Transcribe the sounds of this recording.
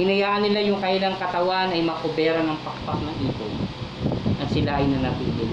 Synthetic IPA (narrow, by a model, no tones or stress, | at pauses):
ɪnɐjaːʔɐnːɪlajʊŋkɐʔɪlaŋkɐt̪ɐwaʔnɐjmɐkobɛːɾɐnɐŋpɐk̚p̪ɐk̚nɐŋʔiːk̪o̰ | ʔɐt̪sɪlaʔɐjnɐnɐbilɪn